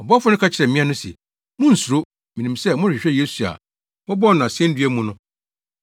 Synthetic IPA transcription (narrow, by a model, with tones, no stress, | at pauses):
ɔ˨bɔ˦fʊ˦nʊ̃˦kʰa˦t͡ɕʰɪ˨ɾɛ˨mĩ˦ã˦nʊ̃˦si˨ɛ˨ | mʊ̃˦n̩˨su˨ɾo˦ | mĩ˨nĩ˨msɛ˦mʊ̃˦˨ɕᶣɪ˨ɕᶣɛ˦je˦su˨a̰˨ | mɔ˦bɔ˦nʊ̃˨a˨sɛ̃˦n̩˦dɥe˦mũ˦nʊ̃˦